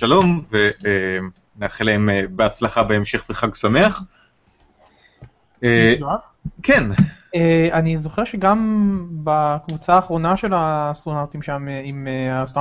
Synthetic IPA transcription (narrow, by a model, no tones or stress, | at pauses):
ʃalo̞mvee | neaχelaemebeat͡slaχabeemʃe̞χveχaɡsameaχ | e | kʰeneanizo̞χe̞ʁʃeɡambakvut͡saːχʁo̞naʃe̞laːst̪ʁonaʁt̪imʃamimeast̪o